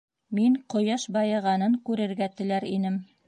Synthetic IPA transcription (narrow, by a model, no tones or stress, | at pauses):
miŋqŏjɑʃbɑjɤ̆ʁɑnɤŋkʉɾɘ̆ɾɡæt̪ɘ̆læɾinɘm